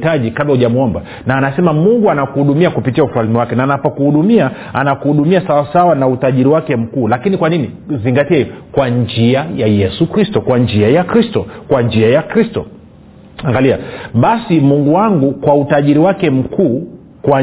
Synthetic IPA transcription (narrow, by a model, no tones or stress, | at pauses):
taʄikablauʄamuɔmba | naːnasɛmamuŋɡuanakuhuɗumiakupitiaufalmiwakɛnaːnapɔkuhuɗumia | anakuhuɗumiasawasawanautaʄiɾiwakɛm̩kuːlakinikwanini | ziŋɡatiaikwaɲd͡ʒiajajɛsukɾistɔkwaɲd͡ʒiajakɾistɔkwaɲd͡ʒiajakɾistɔ̰ | aŋɡaliaɓasimuŋɡuwaŋɡukwautaʄiɾiwakɛm̩kʰuː | kwa